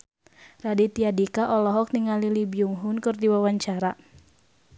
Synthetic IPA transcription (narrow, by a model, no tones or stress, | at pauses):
radit̪iadikaʔɔlɔɦɔk̚niŋalilibiuŋɦʊnkɨrdiwawaɲt͡ʃaɾa